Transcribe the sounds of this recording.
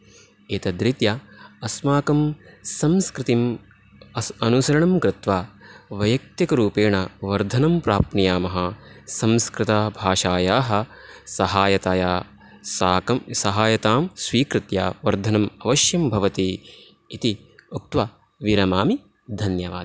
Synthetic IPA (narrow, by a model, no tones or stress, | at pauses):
eːt̪ɐd̪ɾit̪jaɐsmaːkɐmsɐmskɾɪt̪im | ɐnusɐɾɐɳɐmkɾɪt̪ʋaːʋɐjɐk̚t̪jɐkɐɾuːpeːɳɐʋɐɾd̪ʱɐnɐmpɾaːpɳijaːmɐɦɐsɐmskɾɪt̪ɐbʱaːʃaːjaːɦɐ̆sɐɦaːjɐt̪aːjaː | sːɐsɐɦaːjɐt̪aːmsʋiːkɾɪt̪ja̰ːʋɐɾd̪ʱɐnɐmɐʋɐʃjɐmbʱɐʋɐt̪iː | t̪i | uk̚t̪ʋɐ | ʋiɾɐmaːmi | d̪ʱɐnjɐʋa̰ːd̪